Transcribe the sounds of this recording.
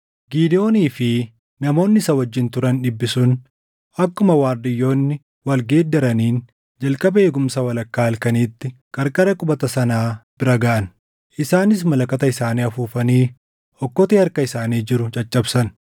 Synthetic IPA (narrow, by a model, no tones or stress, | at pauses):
ɡiːd̪ɪo̞ːniːfɪ | nɐmo̞ːnːɪsɐwɐd͡ʒːɪnt̪ʊɾɐnᶑɪbːɪsʊn | ʔɐkːʊmɐwaːɾd̪ɪjːo̞ːnːɪ | wɐlɡe̞ːd̪ːɐɾɐniːn | d͡ʒɐlkʼɐbɐe̞ːɡʊmsɐwɐlɐkːaːɐlkɐniːt̪ːɪ | kʼɐɾkʼɐɾɐkʼʊbɐt̪ɐsɐnaːb̥ɪɾɐɡaʔɐn | ʔɪsaːnɪs̬mɐlɐkʼɐt̪ɐɪsaːniːɐfuːfɐniː | ɔkːɔt̪ihɐɾkɐɪsaːniːd͡ʒɪɾʊt͡ʃʼɐt͡ʃʼːɐbsɐn